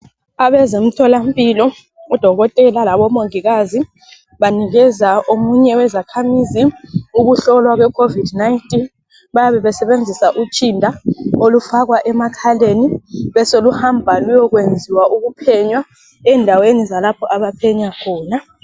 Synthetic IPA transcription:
aβɛzem̩tʰɔlam̩pʼilɔ | ud̥ʱɔɣɔtʼɛlalaβɔmoŋiɣazi | βaniɣɛzaomuɲɛwɛzakʰamiziuɣuɬɔlwaɣwɛkʰovidnaintʼin | βajaβɛβɛsɛβend͡zʱisaʔut͡ʃʼindʱaolufaɣwaʔɛmakʰaleniβɛsoluhambʱalujɔɣwend͡zʱiwaʔuɣupʰɛɲwa | ɛndʱawenizalapʰɔʔaβapʰɛɲakʰɔːna

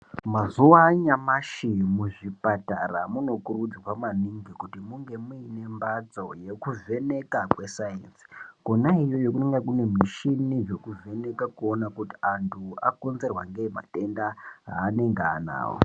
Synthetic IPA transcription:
mazuwaɲamaʃimuʐipataramuno̞kurud͡zwamaniŋɡikutimuŋɡe̞muine̞mbad͡zo̞je̞kuve̞ne̞kakwe̞saensi̥konaijo̞jokuneŋɡakune̞miʃiniʐe̞kuve̞ne̞kakuonakuti̥antʰua̰konze̞rwaŋɡema̰te̞ndaɦa̰ːne̞ŋɡeana̰ːwo̰

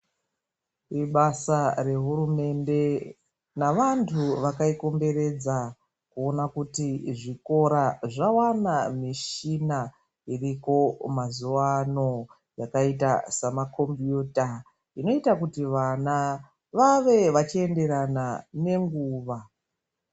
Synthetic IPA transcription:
iɓasare̞ɦuɾume̞nde̞ | naʋantʰuʋakaiko̞mbe̞re̞d͡za | kuo̞nakutiʐiko̞ɾaʐawanamiʃina | iriko̞mazuwano̞ | jakaitasamakʰo̞mbjuːta | ino̞itakutiʋana | ʋaʋe̞ʋat͡ʃie̞nde̞ɾanane̞ŋɡuːʋa

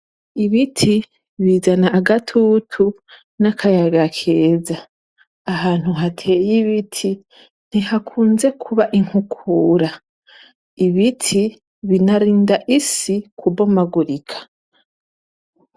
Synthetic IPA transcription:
iβitʰi | βizanaːɡatʰutʰu | nakʰajaɡakʰeːzaː | haːn̥huɦatʰe̞ːjiβitʰi | n̥ihakʰuːnze̞kʰuβaʔiŋhukʰuːɾa | iβitʰi | βinaɾiːndaʔisikʰubomaɡuɾikʰḁ

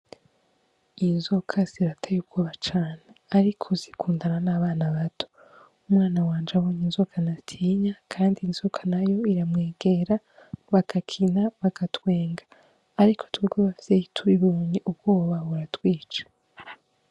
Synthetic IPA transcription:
inzokʰaz̥iɾatʰajub̚ɡ̥oːβat͡ʃaːneaɾikʰozikʰuːndananaːβaːnaβatʰo̥ | umŋaːnawaːnd͡ʒawoːɲinzokʰanatʰiːɲakʰaːndiːnz̥okʰḁnajo̞iɾamŋeːɡ̥e̞ɾa | βaɡakʰinaβaɡatwe̞ːŋɡaː | ɾikʰo̞tuuɡwoβafi̥seitʰuβiβoːɲiʔub̚ɡ̥o̞ːβaβuɾatwiːt͡ʃḁ

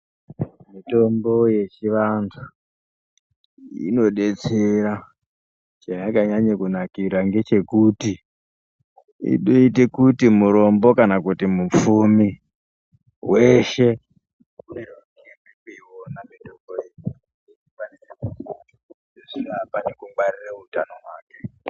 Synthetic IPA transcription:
mito̞mbo̞je̞t͡ʃiʋantʰu | ḭno̞ɗe̞t͡seɾa | t͡ʃajakaɲaɲekunakiɾaŋɡe̞t͡ʃe̞kuti | ḭɗoitekutimuɾo̞mbo̞kanakutimup͡fumi | weʃe̞ | unerwa | emekeiwonameɗokoe | eianireu | eʐiapanekuarireutanoɦwaːke

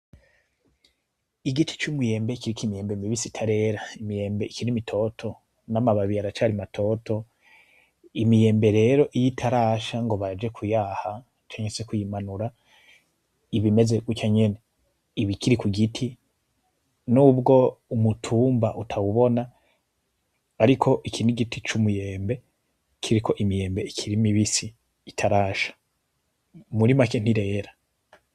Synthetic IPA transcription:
iɡit͡ʃe̥t͡ʃumuje̞ːmbe̞kiɾikimijeːmbemiβisitʰaɾe̞ɾaimije̞ːmbe̞ikiɾimitʰo̞tʰo̞ | namaβaβiaɾat͡ʃaːɾimatʰo̞tʰo̞ | imije̞ːmbe̞ɾe̞ɾo̞ʔijitʰaɾaːʃaŋɡo̞βad͡ʒe̞kʰujaːha | t͡ʃaːɲeese̞kujimanuɾa | iβime̞ze̞ɡut͡ʃaɲe̞ne | iβikiɾikuɡitʰi | nuːbɡo̞umutʰuːmba̰ʔutʰawuβo̞na | ɾikʰo̞ʔikʰinuɡitit͡ʃumuje̞ːmbe̞ | kʰiɾikʰo̞ʔimije̞ːmbe̞ikʰiɾimiβisiː | tʰaɾaːʃḁ | muɾimaken̥iɾe̞ːɾa

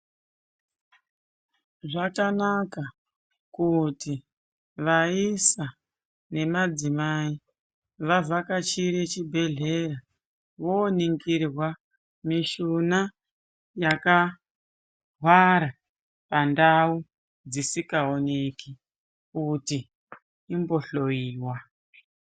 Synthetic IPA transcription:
ʐakanaka | kuti | ʋaisa | ne̞mad͡zimai | ʋavakat͡ʃiɾet͡ʃibʱe̞ɮe̞ra | ʋoːniŋɡirwa | miʃuna | jaka | ɦwaɾa | pandau | d͡zisikaoneki | kuti | imbo̞ɬo̞iːwa

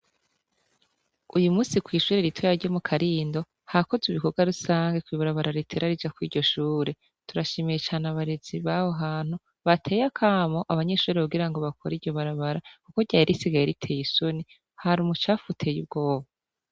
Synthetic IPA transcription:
ujumuːsikwiːʃuːɾe̞ɾitʰojaɾɟomukʰaɾiːndo̞ | hako̞ziβikoɡaɾusaːŋɡekwiβaɾaβaɾaɾitʰe̞ɾaɾid͡ʒakwḭːɾɟo̞ʃuːɾe̞ | tuɾaʃeːmejet͡ʃaːnaβaɾez̥iβaho̞ɦaːn̥hu | βatʰe̞ːjakʰaːmo̞ʔaβaɲe̞ʃuːɾeaɡiɾaŋɡoβakʰoɾiɾɟo̞βaɾaβaɾakuko̞ɟaːiɾʔisiɡajeɾitʰe̞ːjisoni | haɾumut͡ʃaːfutʰe̞jub̚ɡo̞ːβa

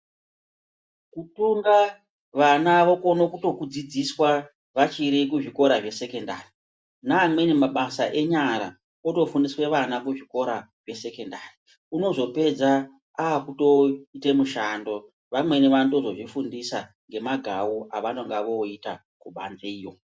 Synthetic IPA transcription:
kutuŋɡa | ʋanaʋo̞ko̞no̞kuto̞kud͡zid͡ziswa | ʋat͡ʃiɾik̬uʐiko̞ɾaʐe̞se̞ke̞ndaːri | naːmwe̞nemaɓasaʔe̞ɲaɾa̰ | oto̞fundiswe̞ʋanakuʐiko̞ɾaʐe̞se̞ke̞ndaːri | uno̞zo̞pe̞d͡za | aːkuto̞ite̞muʃando̞ | ʋamwe̞neʋanto̞zo̞ʐifundisa | ŋɡe̞maɡʱa̰wuaʋano̞ŋɡaʋo̞ita | kuɓa̰nzeiːjo̞

